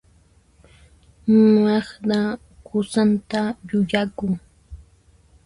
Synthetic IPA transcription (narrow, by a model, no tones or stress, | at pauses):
mɑχɾa | kʊsant̪aʎʊʎakʊŋ